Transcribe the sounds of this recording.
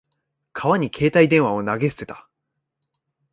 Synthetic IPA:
kʰaβaɲ̟ikʰe̞ːt̪aid̪ẽ̞ɰ̃βao̞naɡe̞sɨ̥e̞t̪ḁ

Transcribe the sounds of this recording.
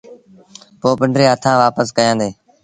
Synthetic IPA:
poːpɪɳɖɾeːət̪ʰãːʋaːpəskəjãːnd̪eː

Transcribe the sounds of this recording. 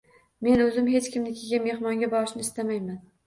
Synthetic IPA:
me̞nɵzɪmɦe̞t͡ʃkʲɪmnɪkʲʰeɡʲanme̞hmɒŋɡʲabɒɾɪʃnɪst̪amajman

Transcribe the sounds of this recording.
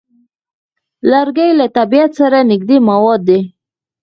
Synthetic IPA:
laɾɡajlat̪abijat̪saɾanɪɡ̚d̪emawɑd̪ːe

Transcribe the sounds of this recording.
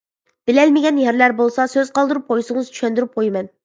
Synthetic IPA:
b̥ɪlɛlmɪɡʲɛnjɛɾlæɾbolˠsɑsøz̥qɑlˠd̪ɨɾup̚qʰojsɨŋɨzt͡ʃʰy̥ʃɛnd̪yɾyp̚qʰojmɛn

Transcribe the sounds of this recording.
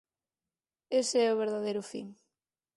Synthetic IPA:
eseɛʊβ̞eɾðaðejɾʊfḭŋ

